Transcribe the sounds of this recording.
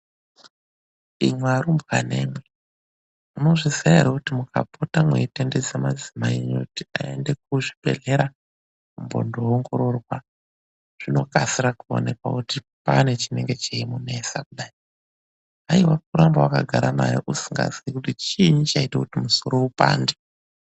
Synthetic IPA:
imwaɾumbwane̞̰ːmwe | muno̞ʐizaeɾakutimukʰa̰pʰotamweitended͡zemad͡zimaiɲokutiae̞nde̞k̚uʐipe̞̰ɮe̞ɾa | umbo̰ndoːŋɡo̞ɾo̞rwa | ʐ̥ino̞kasiɾakuo̰ne̞kwakuti | pane̞t͡ʃine̞ŋɡe̞t͡ʃeimune̞sak̚uɗai | aiwak̚uɾambawakaɡʱaɾana̰joʔusiŋɡa̰ziikutit͡ʃiɲit͡ʃaitakutimuso̞ɾo̞upa̰ːnde

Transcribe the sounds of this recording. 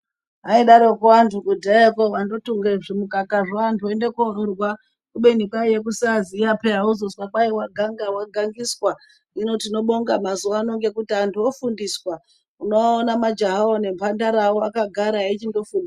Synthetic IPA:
aiɗaɾokuantukudʱaekoʋando̞tuŋɡeʐimukakaʐoantʰuendekororwa | kuɓenikaijek̬usazijapeɦauzoswakaiwaɡʱaŋɡawaɡʱaŋɡiswa | ino̞tino̞ɓo̞ŋɡamazuʋaːno̞ŋɡe̞kutiantʰuofundiswa | unoaonamad͡ʒaɦaone̞mpandaɾaoakaɡʱaɾaait͡ʃindo̞fundi

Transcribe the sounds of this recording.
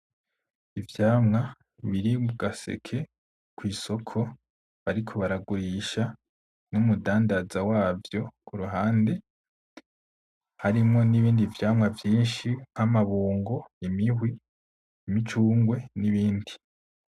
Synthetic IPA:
ivjaːmŋa | βiɾimuɡasḛkʰe̞ | kwiːso̞kʰo̞ | βaɾikʰo̞βaɾaɡuɾiʃa | numudaːndazawaːvjo̞kuɾuɦaːnde̞ | haɾimŋo̞niβiːndivjaːmŋavjiːnʃiŋamaβuːŋɡo̞imiɦwi | imit͡ʃuːŋɡwe̞niβiːndi

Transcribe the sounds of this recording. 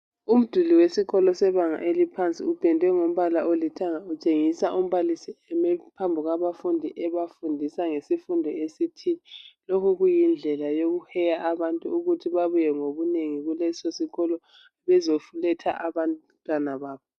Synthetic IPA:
um̩d̥ʱuliwesiɣɔlɔsɛβaŋa̰ʔelipʰant͡sʼḭub̥ʱɛndʱwɛŋom̩βalaolitʰaŋaut͡ʃʼeŋisaʔum̩βalisiɛmɛpʰambʱuɣaβafundʱiʔɛβafundʱisaŋesifundʱɔesitʰinɛlokʰuɣujind͡ɮʱɛlajoɣuhɛjaʔaβantʼuuɣutʰiβaβujɛŋoβuneŋiɣulɛsosiɣɔlɔ | βɛzofulɛtʰa̰ʔaβan | tʼwanaβaːβɔ

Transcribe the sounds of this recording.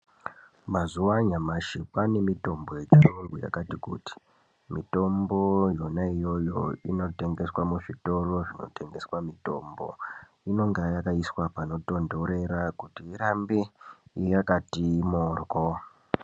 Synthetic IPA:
mazuwaɲamaʃipane̞mito̞mbo̞je̞t͡ʃiroŋɡuja̰katikṵti̥ | mito̞mbo̞jo̞naijo̞jo̞̰ino̞te̞ŋɡe̞swamuʐito̞ro̞ʐino̞̰te̞ŋɡe̞swamito̞̰mbo̞̰ | ino̞ŋɡajakaiswapano̞to̞ndo̞ɾe̞ɾakutiiɾambiijakatimorko

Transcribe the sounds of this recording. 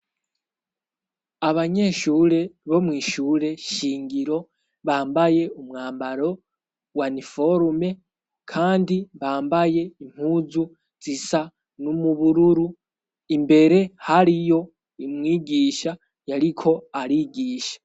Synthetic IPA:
aβaɲe̞ʃuːɾe̞βo̞mwiːʃuːɾe̞ʃiːŋɡiɾo̞ | βaːmbaje̞umŋaːmbaɾo̞ | wanifo̞ɾme̞ | kʰaːndiβaːmbaje̞im̥huzu | z̥isa | numuβuɾuɾu | imbe̞ɾe̞haɾijo̞ | imŋiːɡiːʃa | jaɾikʰo̞aɾiɡiːʃḁ

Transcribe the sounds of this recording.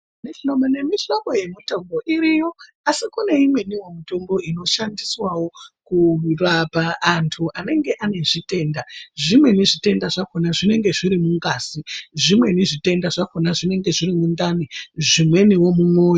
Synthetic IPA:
niɬomone̞miɬomoje̞mitombo̞ʔiɾijo̞ | asikune̞imwe̞niwomutombo̞ino̞ʃandiswawo̞kurapaːntʰuʔane̞ŋɡe̞ʔane̞ʐite̞ːndaʐimwe̞niʐite̞ndaʐakonaʐine̞ŋɡe̞ʐiɾimuŋɡaːsiʐimwe̞niʐite̞ndaʐakonaʐine̞ŋɡe̞ʐiɾimund̪aniʐimwe̞niwo̞mumwo̞ːjo

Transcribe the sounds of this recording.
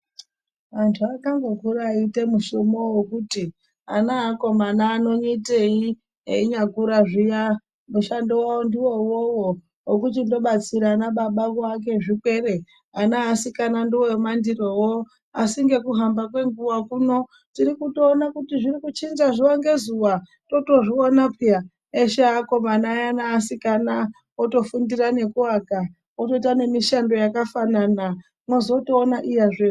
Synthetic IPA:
ʋantʰuakaŋɡokuɾaːite̞muʃomowokuti | anaːko̞manaːno̞ɲitei | eiɲakuɾaʐija | muʃandiwawondiwo̞wowo | wokut̬indo̞ɓat͡siɾaːnaɓaɓakoak̬e̞ʐikwe̞re̞ | anaːsikanandiwomandirowo | asiŋɡe̞kuɦambakwe̞ŋɡuwakuːno̞ | tiɾikuto̞ːnakutiʐirikut͡ʃinzaʐiwaŋɡe̞zuwa | to̞to̞ʐionapija | eʃaako̞manajanaːsikana | oto̞fundirane̞kuaka | otoitane̞miʃando̞jakafanana | mwozo̞toːnaʔijaʐe

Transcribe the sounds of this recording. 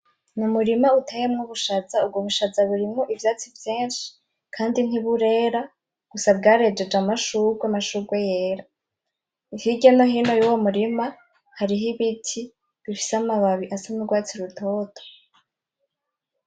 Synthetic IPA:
numuɾimautejemŋuβuʃazaubɡoβuʃazaβuɾimŋoʔivjaːt͡sivjeːnʃi̥ | kʰaːndiniβuɾe̞ɾa | ɡ̥usabɡaːɾe̞d͡ʒe̞d͡ʒamaʃuɡwemaʃuɡwejeːɾa | ihiɟenoɦiːno̞juːwomuɾima | haɾiɦiβitʰi | βifi̥seamaβaβiʔasanuɡwaːt͡siɾutʰo̞ːtʰo̥

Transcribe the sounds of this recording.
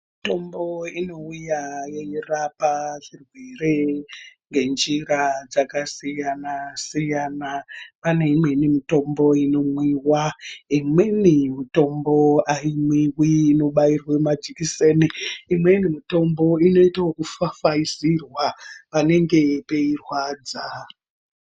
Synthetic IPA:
ito̞mboino̞ujajeirapaʐirwereŋɡe̞nd͡ʒirad͡zakasijanasijaːnapane̞imwenimito̞mbo̞ino̞mwiwaimwenimito̞mbo̞aimwiwiːno̞ɓairwamad͡ʒikiseːniːmwe̞nimito̞mbo̞ino̞itaokufafaisirwapane̞ŋɡe̞pe̞irwaːd͡za

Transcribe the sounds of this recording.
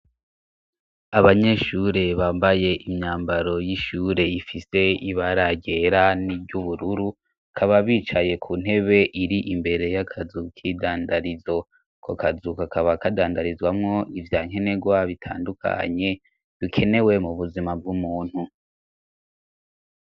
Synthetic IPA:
aβaɲe̞ʃuɾe̞βaːmbaje̞ʔimɲaːmbaɾo̞jiʃuːɾe̞ifise̞iβaɾaɟe̞ɾanibɟuβuɾuɾu | kʰaβaβiːt͡ʃaje̞kʰuːn̥he̞βe̞ʔiɾiʔimbe̞ɾe̞jakʰazukʰidaːndaɾizo̞ | kʰokazukakaβakadaːndaɾizɡwamŋo̞ʔivjaːɲ̥e̞ne̞ɡwaβitʰa̰ːndukʰa̰ɲe̞ | βikʰe̞ne̞we̞muβuzimab̚ɡumuːn̥hu

